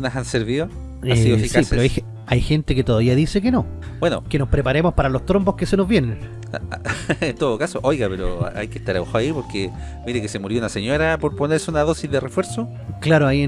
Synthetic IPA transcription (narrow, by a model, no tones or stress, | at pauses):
nasanseɾβio | asiðofiksaipseɾoaje | ajxent̪eket̪oðaβiaðisekeno̞bweno̰kenospɾepaɾemospaɾalost̪ɾombokesenozvje̞nen | ent̪oðokasoʔojɣapeɾo̰a̰a̰jkest̪aɾaaxaaipoɾke | miɾekesemuɾjounaseɲoɾapoɾponeɾseunaðo̞sizðerefweɾso | klaɾoai